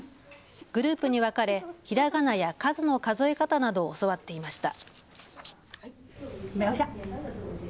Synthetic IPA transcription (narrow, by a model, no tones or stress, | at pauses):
ɡ̥ɯ̟ɾɯ̟ːpɯ̟ɲ̟iβakaɾe̞çiɾaɡanajakazɨno̞kazo̞e̞kat̪anad̪o̞ːso̞βat̪ːe̞imaɕi̥t̪a | meoɕa